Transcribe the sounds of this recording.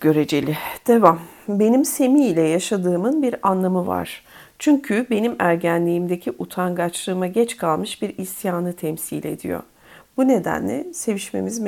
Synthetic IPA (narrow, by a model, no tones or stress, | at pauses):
ɡɟ̥ø̞ɾe̞d͡ʒe̞lʲid̪̥e̞vam | be̞nimse̞miːlʲɛjaʃad̪ɯːmɯnbiɾanlˠamɯva̰ɾ̥ | t͡ʃʰyɲcʰybe̞nimæɾɟænlʲiːmd̪e̞cʰiʔut̪ʰanɡat͡ʃlˠɯːmaɟɛt͡ʃkʰalˠmɯʃbiɾisjaːnɯt̪ʰɛmsḭlʲe̞̰d̪ḭjo̰ | b̥une̞d̪æ̰nlʲɛse̞viʃme̞̰mizm